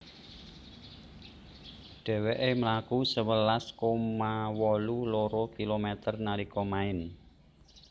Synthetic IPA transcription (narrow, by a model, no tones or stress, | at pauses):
ɖ̥ɛ̤wɛʔeməlakusəwəlaskomawɔluloɾokilomɛt̪ərnaɾikɔmaɪn